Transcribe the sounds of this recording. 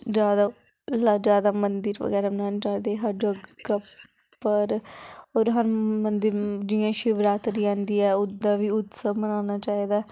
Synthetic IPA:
d͡ʒaːd̪aː | lad͡ʒaːd̪aːmənd̪əɾʋə̰ɡɛːɾaːbənãːnaːt͡ʃaːid̪eɦəɾɖəɡkəp | pəɾoːɾɦəɾmənd̪əɾd͡ʒijãːʃɪʋɾaːt̪ɾiːãːnd̪iːɛːʊd̪ːãːʋiːʊt̪səbənaːnaːt͡ʃaːiːd̪aː

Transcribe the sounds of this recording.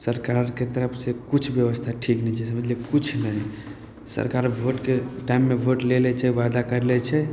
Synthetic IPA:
səɾkaɾket̪əɾəpʰsekut͡ʃʰbjəʋəst̪ʰaʈʰiknɛt͡ʃʰɛsəməd͡ʒlekut͡ʃʰnəɦi | sə̰ɾkaɾbʱoʈkeʈaimːeʋʱoʈlelɛt͡ʃʰɛʋad̪akəɾlɛt͡ʃʰɛ

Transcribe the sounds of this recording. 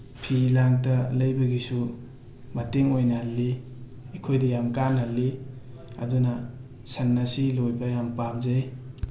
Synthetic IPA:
pʰilaŋtɐlɐjbɐɡisu | mɐteŋojnɐhɐlːiː | kʰojdɐjamkanhɐlːi | ɐ̰dunɐ | sɐnːasilojbɐjampamzaj

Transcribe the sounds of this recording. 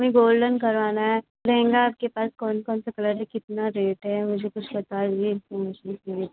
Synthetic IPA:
mẽɡoːlɖənkɐɾʋaːnaɦɛ | ɾɛẽːŋɡaːp̚kepaːskɔːnkɔːnsakɐləɾd͡ʒekɪt̪naɾeːʈɦɛmʊd͡ʒʱekʊt͡ʃʰbɐt̪ad͡ʒɡiɪ̃nfɔɾmeːʃənseɾi

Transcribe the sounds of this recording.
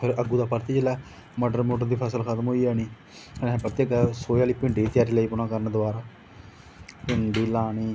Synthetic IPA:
pʰɪɾəɡuːd̪aːpəɾt̪iːd͡ʒəlɛː | maːɖəɾmoːʈəɾd̪iːpʰəsəlxət̪əmɦoːiːɛːniː | kənɛ̃pəɾt̪iːəɡəsoːjaːliːpɪɳɖiːt̪ɪjaːɾiːləiːpʊɳãːkəɾənd̪ʊaːɾaː | pɪɳɖiːlaːniː

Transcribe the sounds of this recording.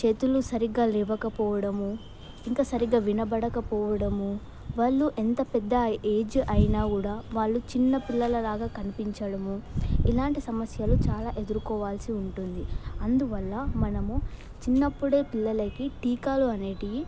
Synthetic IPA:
t͡ʃe̞ːt̪ulusɐɾiɡaːlɛːbɐkɐpɔːʋɐɽɐmu | iŋkaːsɐɾiɡaːʋinɐbɐɽɐkɐpɔːʋɐɽɐmu | ʋaːɭːuʔent̪ɐpɛd̪ːɐe̞ːd͡ʒɐjnaːkuːɽaːʋaːɭːut͡ʃinːɐpilːɐlɐlaːɡaːkɐnipiɲt͡ʃɐɽɐmuilaːɳʈisɐmɐsjɐlut͡ʃaːlaːʔe̞d̪uɾukɔːʋaːlsiuɳʈund̪iɐnd̪uʋɐlːɐmɐnɐmu | t͡ʃinːɐpːuɽe̞ːpilːɐlɐkiʈiːkaːluɐneːʈi

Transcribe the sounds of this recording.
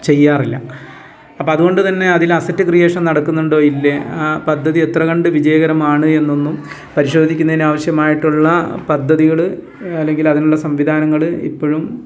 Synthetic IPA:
t͡ɕe̞jːaːrilːɐ | ɐpːɐɐðuɣo̞ɳɖɨt̪ɐnːe̞ɐðilɐsɐtːɨkrije̞ːʂɐmnɐɽɐkːunːuɳɖo̞ːilːepɐd̪ʱːɐðiet̪rɐɣɐɳɖɨʋid͡ʑɐjɐɣɐɾɐmaːɳɨe̞nːo̞nːum | pɐɾiɕo̞ːd̪ʱikʲːunːɐðinaːʋɐɕjɐmaːjiʈːuɭːɐpɐd̪ʱːɐðiɣɐɭɨ | ɐlːe̞ŋɡilɐðinuɭːɐsɐmʋid̪ʱaːnɐŋːɐɭɨḭpːo̞ːɻum

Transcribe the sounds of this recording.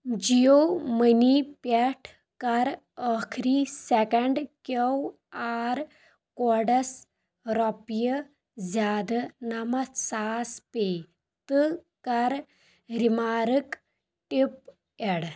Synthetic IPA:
d͡ʑijomənipɛʈʰ | kɐɾ | əkʰɾisekəɳɖkəw | aɾ | kɔɽɐs | ɾɔpijə | d͡zaːd̪namasaːspe | t̪ɨ | kɐɾ | ɾimaɾək | ʈip | ɛɽ

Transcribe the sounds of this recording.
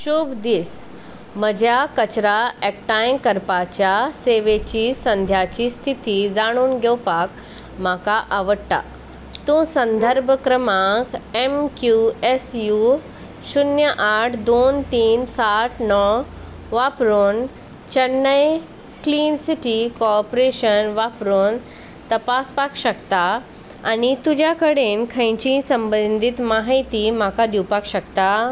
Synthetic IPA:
ɕubd̪is | məd͡ʑʱjakət͡ɕɾaʔek̚ʈajmkəɾpat͡ɕjaseʋet͡ɕiːsə̃nd̪ʱjat͡ɕiːst̪ʰit̪id͡zaɽ̃uːnɡʱɛwpak | m̤akaʔaʋəɽʈa̰ | t̪ũːsənd̪ʱəɾbʱəkɾəmãkemkjuesju | ɕunjəʔaʈʰd̪ont̪iːnsaʈʰnɔ | ʋapɾon | t͡ɕənːəj | kliːnsiʈikɔpɾeɕənʋapɾon | t̪əpaspakɕəkt̪a | anit̪ud͡ʑjakəɽenkʰə̃j̃t͡ɕĩsəmbənd̪ʱit̪maɦijt̪imakad̪iwpakɕəkt̪a

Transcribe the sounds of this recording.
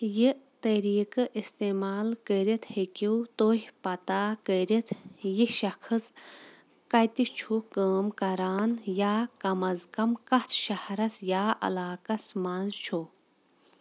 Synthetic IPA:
jit̪ɐɾiːkɨʔist̪emaːlkəɾit̪ʰhekiwt̪oːhʲpɐt̪aːkəɾit̪ʰjiʃɐkʰɨs | kɐt̪it͡ʃʰukəːmkɐɾaːnjaːkɐmɐzkɐmkɐt̪ʰʃɐhɾɐsjaːʔɐ̰laːkɐsmaːnzt͡ʃʰu

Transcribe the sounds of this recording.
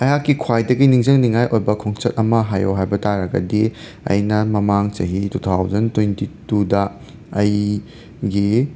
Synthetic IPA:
ɐjakːikʰwajdɐɡiniŋzɐŋniŋajʔojbɐkʰoŋt͡ʃɐt̚ɐmɐɦajoɦajbɐtaɾɐɡɐ̰di | ɐ̰jnɐmɐmaŋt͡ʃɐɦitutʰawzɐntwentitudɐː | j | ɡi

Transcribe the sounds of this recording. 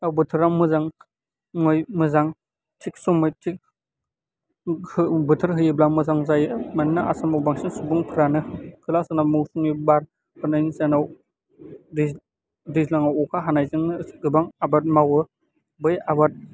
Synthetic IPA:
awbɯtʰɯɾaŋmɯzaŋ | ŋojmɯzaŋ | tʰik̚sumɯjtʰik̚ | hbɯtʰɯɾɦɯjɯblamɯzaŋzajmannaasamawbaŋsinsubuŋpʰɯɾanɯkʰɯlasanamuwsuŋibaɾ | hɯnajnsanaw | di | dizlaŋawɔkʰaɦanajzɯŋɡɯbaŋabat̚mawɯ | bɯjabat̚

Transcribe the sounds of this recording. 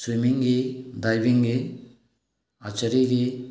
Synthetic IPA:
swimiŋɡid̪ajbiŋɡi | at͡ʃəɾiɡi

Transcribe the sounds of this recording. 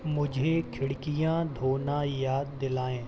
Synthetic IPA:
mʊd͡ʒʱekʰɪɽkɪjãːd̪ʱoːnãːjaːd̪ːɪlaːẽː

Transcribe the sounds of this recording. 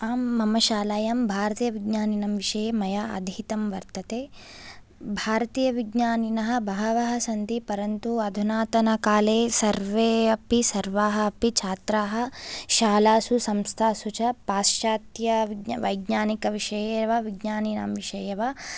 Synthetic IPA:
aːmːɐmɐʃaːlaːjɐmbʱaːɾɐt̪ijɐʋiɡɲaːninɐmʋiʂɐjeːmɐjɐɐ̰d̪ʱit̪ɐmʋɐɾt̪ɐt̪eː | bʱaːɾɐt̪iːjɐʋiɡɲaːninɐɦɐ̆bʱɐɦɐʋɐɦɐsɐnt̪ipɐɾɐnt̪uɐd̪ʱunaːt̪ɐnɐkaːleːsɐɾʋeːɐpisɐɾʋaːɦɐɐpit͡ʃʰaːt̪ɾaːɦɐ̆ʃaːlaːsusɐmst̪ʰaːsut͡ʃɐpaːsaːt̪jɐʋɐjɡɲaːnikɐʋiʂɐjeʋɐʋiɡɲaːninɐ̰mʋiʃɐjɐʋa

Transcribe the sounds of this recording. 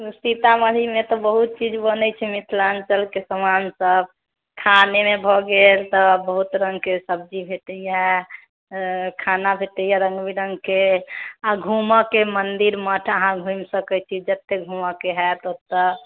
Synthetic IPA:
sit̪aməɽʱimẽt̪ɔbəɦut̪̚t͡ʃid͡ʒbənɛt͡ʃʰɛmit̪ʰlant͡ʃəlkesəmansəb̚ | kʰanemẽbʱɔɡelt̪ɔbəɦut̪ɾə̃ŋɡkesəb̚d͡ʒibʱeʈ̪əjɛ | kʰanabʱeʈ̪əjɛɾə̃ŋɡbiɾəŋɡkeaɡʱumakemənd̪iɾməʈʰəɦãɡʱũjmsəkɛt͡ʃʰid͡ʒət̪ːeɡʱumakeɦɛt̪ot̪ə

